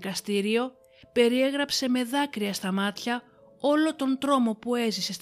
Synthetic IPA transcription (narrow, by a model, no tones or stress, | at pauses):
kɐst̪iɾio̞ | pe̞ɾie̞ɣɾɐpse̞me̞ðɐkɾiɐst̪ɐmɐt̪çɐ | o̞lo̞t̪o̞nd̪ɾo̞mo̞pue̞zise̞st̪